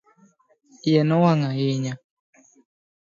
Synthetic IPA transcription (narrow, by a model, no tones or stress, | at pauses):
jɛnɔwaŋaiɲa